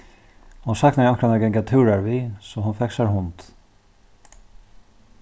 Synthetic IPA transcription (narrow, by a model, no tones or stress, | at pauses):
hʊnsakt̪naankʰɾanaɡɛŋkat̪ʰʉːɾaɹvisɔɦʊnfɛksaɾɦʊnt̪